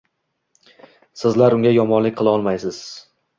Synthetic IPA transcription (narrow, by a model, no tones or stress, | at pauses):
sɪzlaɾʊŋɡʲajɒmɒnlɪk̚ʲqʰɨlˠɒlˠmajsɪz̥